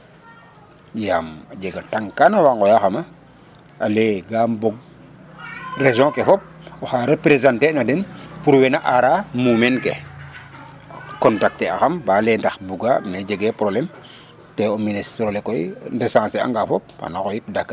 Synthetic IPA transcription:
jamad͡ʒeɡataŋkanawaŋɡɔjaxama | aleɡambɔɡ̚ | rezɔ̃kefɔp̚ɔxaɾepɾezãntenadɛnpuɾwɛnaʔaɾamumɛnke | kɔntak̚tea̰xambalendaxbuɡamned͡ʒeɡɛpɾoblɛm | tɛoministɾolekɔjndesãːsea̰ŋɡafɔp̚a̰nakɔjit̚dakː

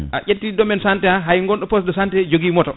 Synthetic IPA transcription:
ʔaʔetːidɔmɛnsantɛaɦajŋɡɔnɗɔpɔsdɔsantɛd͡ʒoɡimɔtɔ

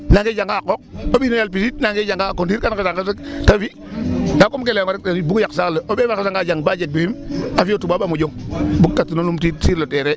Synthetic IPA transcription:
naŋɡed͡ʒaŋɡakok̚oɓinojalp̬isitnaŋɡed͡ʒaŋɡakondiɾkankesaŋɡastafi | nakomkelemaɾetaibukjaksaləʔobefakasaŋɡaːd͡ʒaŋbad͡ʒek̚bihimafijotubaɓamud͡ʒoŋbuk̚tatinolumtisiɾloteɾe

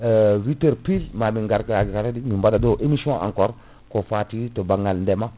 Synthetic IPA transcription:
witeɾpilmamiŋɡaɾkkaɾadimimbadadoʔemisõʔã̰ŋkɔːɾ | kofatitobaŋːalndɛma

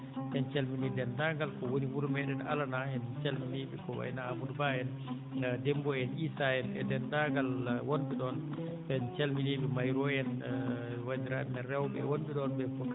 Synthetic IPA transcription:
ʔɛnt͡ʃelminidɛndaɡalkɔwoniwuɾmɛɗɛna̰lanaɛnt͡ʃalminiɓikɔwa̰jnaːmudbajɛn | dɛmbɔɛnisajɛnɛ̰dɛndaɡalwondiɗɔn | ɓɛnt͡ʃalminiɓimajɾɔjɛn | wad͡ʒiɾaɗɛnɛɾɛwbɛ̰wondiɗɔnbɛfɔk

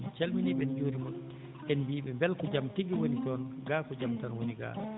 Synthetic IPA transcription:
nt͡ʃalminiɓɛnd͡ʒoːɾimun | ʔɛnbiːɓɛmbɛlkɔd͡ʒamtiɡiwonitɔnɡaːkɔd͡ʒamtanwoniɡa̰ː

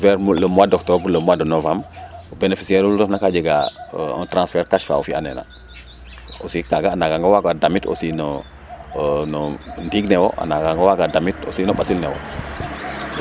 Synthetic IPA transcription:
vɛɾmlomwadɔktɔblomuwadonovamubenefi̥siɛɾuldɔnakad͡ʒeɡa̰ɔ̰ntɾãnsfɛɾkaʃfa̰ufianḛna̰ | osikaɡaːnaɡaŋɡawaɡadamito̰sinɔ | nɔndiɡnɛwo̰ʔa̰naɡaŋɡawaɡadamito̰sinɔɓasilnɛ̰wo̰

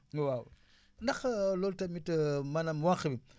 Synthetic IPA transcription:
waw | ndɐxlɔltɐmitəmɐnɐmwaŋxəbi

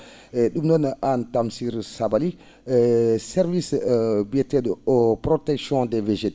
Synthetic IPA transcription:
eɗumnɔnʔantamsiɾsabali | sɛɾvisbetɛdopɾotɛksjɔ̃deveʒet

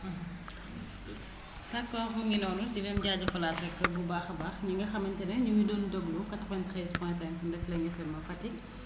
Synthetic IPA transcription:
tɐkːɔxuŋɡinɔːnudinɛmɟaːɟɐfɐlaːtɾɛkːəbubaːxɐbaːxɲiŋɡɐxɐmɐntɛnɐɲujidɔndɔɡlukɐtɐxɐntɾɛzpɔjntsɛŋkndɛflɛŋɡɐfɛmːɐfɐtːi

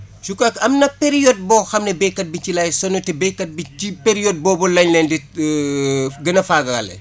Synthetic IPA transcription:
sukɐkɐmnɐpeɾijɔd̚bɔːxɐmnɛbɛkːɐt̚bicilɐːjsɔnutɛbɛkːɐt̚biipeɾijɔd̚bɔːbɔlɐɲlɛndɛ | ɡɐnɐfaɡɐɐ̰lɛ̰

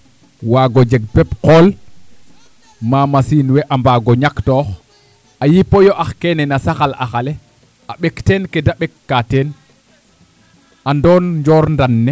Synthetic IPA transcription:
waːɡɔd͡ʒɛɡ̚pɛpqɔːl | mamasiːnwɛʔambaɡɔɲaktɔːx | ʔajipɔjɔʔaxkɛnɛnasaxalʔa̰xalɛ | ʔaɓɛktɛːnkɛdaɓɛkːatɛːn | andɔːnɲd͡ʒɔːɾndanːɛ

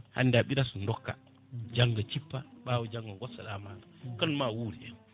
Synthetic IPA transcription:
ha̰ndaɓiɾasundɔkːa̰ | d͡ʒaŋɡat͡ʃipːaɓaːwɔd͡ʒaŋɡaɡɔsaɗamaŋakɔnmawuɾian

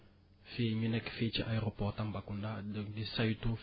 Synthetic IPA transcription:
feɲinɛkfet͡ʃiʔajeɾopɔtambakundadɔkdisajtu

